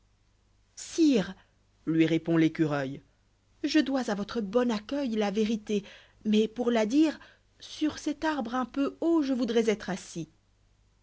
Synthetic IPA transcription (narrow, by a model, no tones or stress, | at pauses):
siːʁ | lɥiʁepɔ̃lekʲyʁœj | ʒəd̪wazavɔt̪χəbɔnakʲœjlaveʁit̪e | mɛpuʁlad̪iːʁ | syʁsɛt̪aʁbʁɛ̃pøoʒəvud̪ʁɛzɛt̪χasi